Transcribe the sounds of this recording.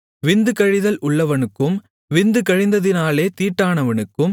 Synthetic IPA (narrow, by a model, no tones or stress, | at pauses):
ʋɪnd̪ɯkɐɻɪðɐlʔʊɭːɐʋɐnɯkːɯm | ʋɪnd̪ɯkɐɻɪnd̪ɐðɪnaːleːt̪iːʈːaːnɐʋɐɳɯkːɯm